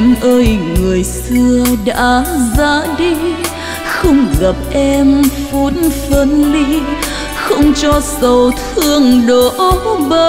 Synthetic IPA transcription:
nʔəː˧jŋɨ˨˩əjsɨ˧əɗa̰ː˧˥zaː˧˦ɗi˧ | xə˧wŋ͡mɣa˨˩p̚ʔɛ˧mfo˨˦nfə˧˦nli˧ | xə˧wŋ͡mt͡ɕɔ˧sə˨˩wt̪ʰɨ˧əŋɗo˨˩ʔɓə˧

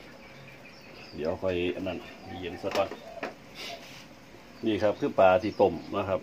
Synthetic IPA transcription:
di˨˦ʔa˧˩kʰɔ˧˩jʔa˧˨nːa˧˨n˧˩˨je˨˧˦nsa˧ka˧˩ | niː˧˩kʰa˦˥p̚kʰɯː˧˩˨paː˨˧t̪ʰiː˧˩t̪o˧˩mna˦˥kʰa˦˥p̚

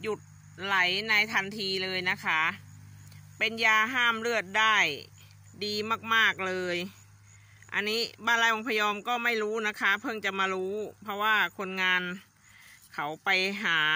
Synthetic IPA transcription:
ju˨˩t̪̚ | la˩˦jna˧jt̪ʰa˧nt̪ʰiː˧lɤː˧jna˦˥kʰa˦˥ | pe˧njaː˧ɦaː˥˩mɾɯ˥˩ət̪̚daː˥˩j | diː˧maː˥˩k̚maː˥˩k̚lɤː˧j | ʔa̰˧nːiː˦˥baː˧˥˩nlaː˦˥jʔo˧ŋpʰa˧jɔː˧mkɔː˥˩ma˥˩jɾuː˦˥na˦˥kʰa˦˥pʰɤ˥˩ŋt͡ɕa˨˩maː˧ɾuː˦˥pʰɔ˧˥waː˥˩kʰo˧nŋaː˧n | kʰa˩˦wpa˧jɦaː˩˦

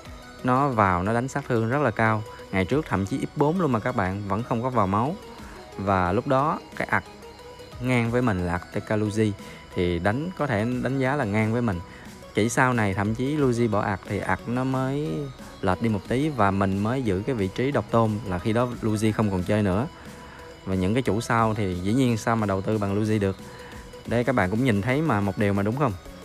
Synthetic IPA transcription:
nɔ˨˦vaː˨˩wnɔ˨˦ɗa˨˦ŋ̟saː˦˥k̚t̪ʰɨ˧əŋzə˦˥t̚laː˨˩kaː˧w | ŋa˨˩jt͡ɕɨ˦˥ək̚t̪ʰə̰˧˨mt͡ɕi˨˦ʔi˦˥p̚ɓo˨˦nlu˧ənmaː˨˩kaː˦˥k̚ɓa̰ː˧˨nvə̰˧˥nxə˧wŋ͡mkɔ˨˦vaː˨˩wma˨˦w | vaː˨˩lʊ˦˥k͡p̚ɗɔ˨˦kaː˨˦˥k̚ʔa˨˩k̚ | ŋaː˧ŋvəː˨˦jmï˨˩ŋ̟laː˨˩kt̪e˧kaː˧lu˧zi˧ | t̪ʰi˨˩ɗa˨˦ŋ̟kɔ˨˦t̪ʰe˧˩ɗa˨˦jŋ̟zaː˨˦laː˨˩ŋaː˧ŋvəː˨˦jmï˨˩ŋ̟ | t͡ɕi˧˩saː˧wna˨˩jt̪ʰə̰˧˨mt͡ɕi˨˦lu˧zi˧ɓɔ̰˧˩ʔa̰˨˩k̚t̪ʰi˨˩ʔa˨˩k̚nɔ˨˦məː˨˦j | ləː˨˩t̚ɗi˧mo˨˩t̪i˨˦vaː˨˩mï˨˩ŋ̟məː˨˦jzɨ̰˧˥kaː˨˦jvḭ˧˨t͡ɕi˨˦ɗə˨˩wk͡p̚t̪o˧nlaː˨˩xi˧ɗɔ˨˦lu˧zi˧xə˧wŋ͡mkɔ˨˩nt͡ɕəː˧jnɨ̰˧˥ə | vaː˨˩ɲɨ̰˧˥ŋkaː˨˦jt͡ɕu˧˩sa˧wt̪ʰi˨˩zḭ˧˥ɲi˧ənsaː˧wmaː˨˩ɗə˨˩wt̪ɨ˧ɓa̰ː˧˨ŋlu˧zi˧ɗɨ˨˩ək̚ | ɗə˧jkaː˦˥k̚ɓa̰ː˧˨ŋkʊ̰˧˥ŋ͡mɲi˨˩nt̪ʰə˨˦jmaː˨˩mo˨˩t̚ɗi˨˩əwmaː˨˩ɗʊ˨˦ŋ͡mxə˧wŋ͡m

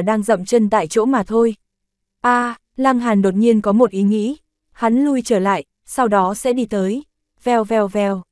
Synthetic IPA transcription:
ɗaː˧ŋzə̰˧˨mt͡ɕə˧nt̪a̰ː˧˨jt͡ɕo̰˧˥maː˨˩t̪ʰo˧j | ʔaː˧ | laː˧ŋɦaː˨˩nɗo˨˩t̚ɲi˧ənkɔ˨˦mo˨˩t̚ʔi˨˦ŋḭ˧˥ | ha˨˦nlu˧jt͡ɕəː˧˩la̰ː˧˨j | sa˧wɗɔ˨˦sɛ̰˧˥ɗi˧t̪əː˨˦j | vɛ˨˩wvɛ˨˩wvɛ˨˩w

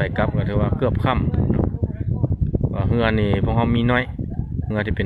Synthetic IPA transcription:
a˨˩jka˧˦p̚ka˧˩t̪ʰːwaː˧˩kɯ˧˩əp̚kʰa˧˥˩mnɔ̰˧ | waː˧˩ɦɯ˧ɐniː˧˩pʰu˧˩ək̚ha˧wmiː˧˨nɔː˧˥˨jhɯ˧ɐt̪ʰiː˧pe˨

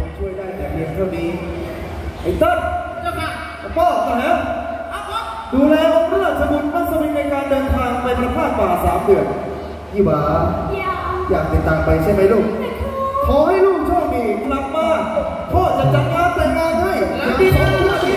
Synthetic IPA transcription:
ɔ˨˩t͡ɕʰu˥˩əjdaː˥˩jt̪ɛː˨˩liː˧˩t̪ʰaː˥˩wniː˦˥ | ʔa˧˩jt̪a˦˥˩ | a˧˩pɔː˧˥˩k̚aː˧˩na˦˥ | duː˧lɛː˦˥wmɯ˥˩əsʰa˧mu˧˩t̪̚maː˦˥˩sa˧i˨˦˥k̪̚na˧jkaː˧ndɤː˧nt̪ʰaː˧ŋpa˧jna˧pʰaː˥˩k̚kaː˨˩saː˩˦mdɯ˨˩ən | iː˧˩waː˧ | jaː˨˩k̚t̪e˨˩t̪aː˨˧ŋpa˧jt͡ɕʰa˥˩˨ma˦jluː˧˩k̚ | kʰɔː˨˦ha˥˩jluː˥˩ŋt͡ɕʰɔː˥˩˨k̚niː˧˩kla˨˩p̚maː˧˥˩ | pʰɔː˧˥˩t͡ɕa˨˩t͡ɕa˨˩t̪̚kʰaː˧˥˩ŋp̪a˨˧˩kaː˧nt̪ʰa˥˩˨jʰ | a˧˩miː˧˩t̪ʰaː˧˥a˧u˥˨i˧˥˩

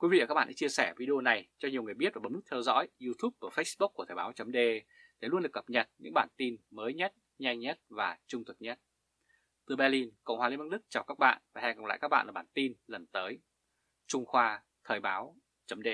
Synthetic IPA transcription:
kwi˨˦vḭ˧˨kaː˦˥ɓa̰ː˧˨ɗa̰˧t͡ɕi˧əsɛː˧˩vi˧ɗo˧na˨˩jt͡ɕɔ˧ɲi˨˩əwŋɨ˨˩əjɓi˦˥ət̚vaː˨˩˨ŋ͡mnɨ˦˥k̚t̪ʰɛ˧wzɔ̰˧˥ji˧t̪ʰu˦˥p̚ku˧˩fə˦˥jsɓʊ˦˥k̚ːt̪ʰəː˨˩ɓaː˨˦wt͡ɕə˨˦mɗe˧ | t̪ʰe˨˩lwənɗɨ˨˩kːə˨˩p̚ɲə˨˩t̚ɲɨ̰˧˥ŋɓaː˧˩nt̪i˧nməː˨˦jɲə˦˥t̚ | ɲa˧jŋɲə˦˥t̚vaː˨˩t͡ɕʊ˧ŋ͡mt̪ʰu˨˩t̚ɲə˦˥t̚ | t̪ɨ˨˩ɓɛ˧li˧nkə̰˧˨wŋ͡mhwaː˨li˧nva˧˥˩ɗɨ˦˥k̚t͡ɕaː˨˩wkaː˦˥k̚ɓa̰ː˧˨nvaː˨˩hɛ̰˧ŋkə̰˨ŋ͡mla̰ː˧˨jkaː˦˥ɓa̰ː˧˨ʔːɓaː˧˩nt̪i˧nlə˨˩nt̪əː˨˦j | t͡ɕʊ˧ŋ͡mxwaː˧ | t̪ʰəː˨˩jɓaː˨˦w | t͡ɕə˨˦mɗe˧

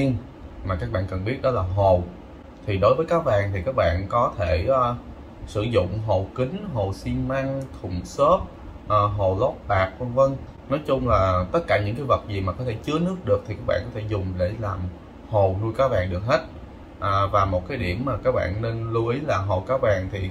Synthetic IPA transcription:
i˧ən | maː˨˩kaː˦˥k̚ɓa̰ː˧˨nkə˨˩nɓi˦˥ət̚ɗɔ˨˦laː˨˩ɦo˨˩w | t̪ʰi˨˩ɗo˨˦jvəː˨˦jkaː˦˥k̚vaː˨˩ŋt̪ʰi˨˩kaː˦˥k̚ɓa̰ː˧˨nkɔ˨˦t̪ʰe˧˩ʔː | sɨ̰˧˩zʊ̰˧˨ŋ͡mɦo˨˩kï˨˦ŋ̟ɦo˨˩si˧nma˧ŋt̪ʰʊ̰˧˩ŋ͡mso˦˥t̚ | ʔəː˨˩ɦo˨˩lɔ˦˥p̚ɓaː˨˩k̚və˧ŋvə˧ŋ | nɔ˨˦jt͡ɕʊ˧ŋ͡mlaː˨˩t̪ə˦˥t̚kaː˧˩ɲɨ̰˧˥ŋkaː˨˦jvə˨˩t̚zi˨˩maː˨˩kɔ˨˦t̪ʰe˧˩t͡ɕɨ˨˦ənɨ˦˥ək̚ɗɨ˨˩ək̚t̪ʰi˨˩kaː˦˥k̚ɓa̰ː˧˨nkɔ˨˦t̪ʰe˧˩zʊ˨˩ŋ͡mɗe˧˩laː˨˩m | ho˨˩wlu˧jkaː˨˦vaː˨˩ŋɗɨ˨˩ək̚he˦˥t̚ | ʔəː˨˩vaː˨˩mo˨˩t̚kaː˨˦jɗi˧˩əmmaː˨˩kaː˦˥k̚ɓa̰ː˧˨nne˧nlu˧ʔi˨˦laː˨˩ɦo˨˩kaː˨˦˥vaː˨˩ŋt̪ʰi˨˩

